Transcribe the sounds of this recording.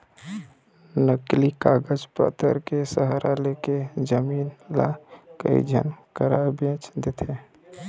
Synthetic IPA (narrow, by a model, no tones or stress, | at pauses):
nəklikaɡəd͡ʒpə̰t̪ə̰ɾkesəɦɾʔaleked͡ʒəmiːnla̰kə̰ḭd͡ʒʱə̰nkəɾabẽt͡ʃd̪et̪ʰe